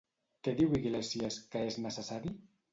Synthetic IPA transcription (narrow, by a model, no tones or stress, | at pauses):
t̪eðiwiɣlesieskəeznasesaɾi